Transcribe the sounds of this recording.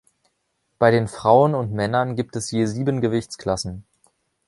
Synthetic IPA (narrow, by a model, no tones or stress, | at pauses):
b̥aɪɾeːnfʁ̥aʊənʊntmɛnɐnɡiːp̚tɛsjeːziːbənɡəvɪçt͡skʰl̥asn̩